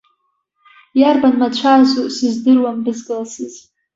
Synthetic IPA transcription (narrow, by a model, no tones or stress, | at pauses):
jarbanmat͡ɕʷʰazusɨzdɨrwamdɨzɡɨlsɨz